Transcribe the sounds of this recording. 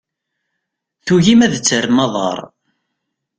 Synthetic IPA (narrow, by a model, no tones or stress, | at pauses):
θuʝimæðət͡sːəɾmɑðˤɑ̰ɾˤ